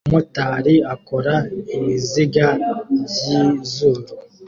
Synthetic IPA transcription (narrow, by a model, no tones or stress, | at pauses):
motaɾiakoɾaimiziɡajizuɾu